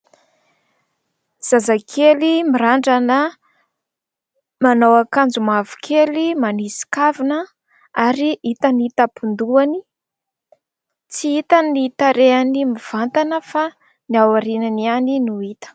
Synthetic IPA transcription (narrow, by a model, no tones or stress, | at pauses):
z̥azakʰelimiɾaɳɖ͡ʐanə | manawakand͡zumavu̥kʰelimanisi̥kavinə | aɾiʔit̪anit̪apund̪uani | t͡siit̪ənit̪aɾeanimiv̥ant̪anəfa | niawaɾinanianinuit̪ə̥